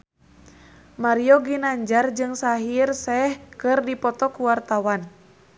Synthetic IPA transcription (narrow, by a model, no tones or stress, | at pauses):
maɾiɔɡinaɲd͡ʒard͡ʒɨŋsaɦirsɛhkɨrdipɔt̪ɔkuwart̪awan